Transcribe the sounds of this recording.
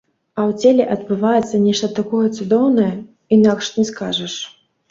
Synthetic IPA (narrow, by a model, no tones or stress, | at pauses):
ɐwt͡sʲelʲɛʔɐd̪̚bɨvajɛt̪sːɐnʲɛʂt̪ɐt̪akɔjɐt̪sud̪ɔwnɐjɐ | inakʂnʲɛskaʐɐʂ